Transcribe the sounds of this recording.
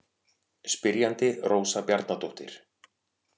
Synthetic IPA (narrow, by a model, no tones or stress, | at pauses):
spɪɾjant̪ɪroːwsapjaɾt̪nat̪ʰowht̪ɪ̰ɾ̥